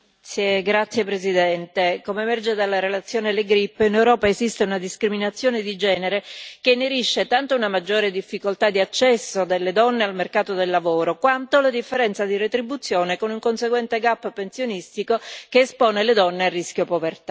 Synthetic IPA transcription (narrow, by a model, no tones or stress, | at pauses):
eɡɾat̪sːjepɾezid̪ɛnt̪ekomemɛrd͡ʒed̪alːaɾelat̪sːjoːneleɡɾipːinewɾɔːpaezist̪eunad̪iskɾiminat̪sːjoːned̪id͡ʒɛːneɾekenːeɾiʃːet̪ant̪ounamad͡ʒːoːɾed̪ifːikolt̪ad̪iat͡ʃːɛsːod̪elːed̪ɔnːealmerkaːt̪od̪elːavoːɾokwant̪olad̪ifːeɾɛnt̪sad̪iret̪ɾibut̪sːjoːnekonuŋkonseɡwɛnt̪eɡapːpensjonist̪ikokeːspɔːneled̪ɔnːearːisk̟jopovert̪a